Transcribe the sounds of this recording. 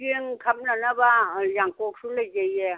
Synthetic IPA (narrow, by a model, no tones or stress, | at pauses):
eŋkʰam̚nanabajaŋkok̚sulajzaje